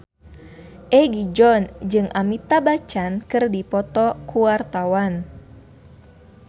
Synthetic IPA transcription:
ʔɛɡid͡ʒɔnd͡ʒɨŋʔamit̪abat͡ʃankɨrdipɔt̪ɔkuart̪awan

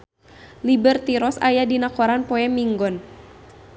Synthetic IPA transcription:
libərt̪iɾɔsajadinakɔɾanpɔɛmiŋɡɔn

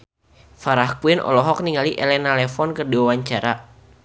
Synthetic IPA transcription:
faɾahkuwɪnʔɔ̰lɔɦɔk̚niŋaliʔɛlɛnalɛfɔnkərdiwawaɲt͡ʃaɾa

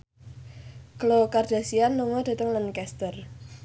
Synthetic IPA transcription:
klokard̥a̤sianluŋɔd̪̥a̤t̪əŋlankɛst̪ər

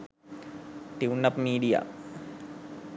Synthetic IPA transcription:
ʈiwnːɐpmiːɖija̰

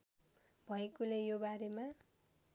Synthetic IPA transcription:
bʱʌekolejobaɾema

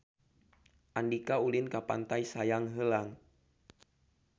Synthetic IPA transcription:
ʔandikaulɪnkapa̰nt̪ajsajaŋɦəlaŋ

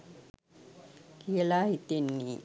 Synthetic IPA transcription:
kielaɦit̪enːi

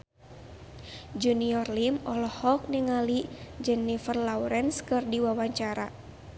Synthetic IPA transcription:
d͡ʒuniɔrlimɔlɔhɔk̚niŋalid͡ʒɛnːifərlawɾɛnskɨrdiwawaɲt͡ʃaɾa

